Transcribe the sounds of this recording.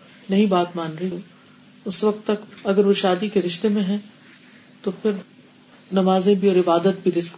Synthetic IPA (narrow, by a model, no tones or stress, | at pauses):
nɐɦĩbaːt̪maːnɾɐɦiũ | ʊsʋɐk̚t̪ːɐkɐɡəɾʋoʃaːd̪ikeɾɪʃt̪emẽɦɛ̃ | t̪opʰɪɾ | nɐmaːzẽbʱiɔːɾɪbaːd̪ət̪̚bʱiɾɪsk